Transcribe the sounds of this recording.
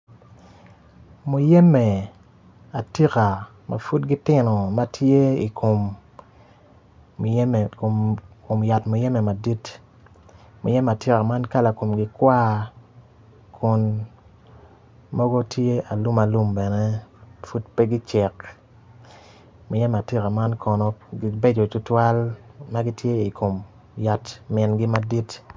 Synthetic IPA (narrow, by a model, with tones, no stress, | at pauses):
mu˨jɛ˦mɛ˨ | a˨ti˦ka˨ | mʔa̰˨fu˦tɡi˦tɪ˦nɔ˨ma˦tʰje˦i˨kʰo˨m˨˦ | m˨kko˨mja˨tmʊ˨jɛ˦mɛ˨ma˨di˦t | mʊ˨jɛ˦m˨a˨ti˦ka˨ma˦nka˦la˨ko˨mɡɪ˨kwa˦ | kʰʊ˨n | mɔ˦ɡo˦tje˦ʔa˨lu˦ma˨lu˦mbɛ˨nɛ˦fu˦t̚pe˦ɡɪ˦t͡ʃɛ˨k | mo˨jɛ˦ma˨ti˦ka˨ma˦nkʰɔ˨nɔ˨ɡi˦be˦d͡ʒo˨i˨tʊ˦twa˦lma˦ɡi˦tje˦i˨ko˨m | ja˨tmɪ˨nɡɪ˦ma˦di˦t